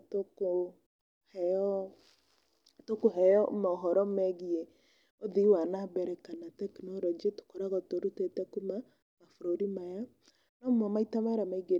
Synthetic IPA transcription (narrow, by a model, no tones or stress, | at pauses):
toko | hɛɔ | atokoɦɛjɔmaɔɦɔɾɔmɛɣie | oðiwanabɛɾɛkanatɛknɔlɔd͡ʒito̥kɔɾaɣatoɾutetɛkuma | mafoɾoɾimaja | nɔmamaitamaɾamaiɡe